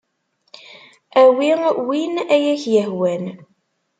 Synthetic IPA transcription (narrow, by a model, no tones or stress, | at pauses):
æwiwinæjæçjəɦwæn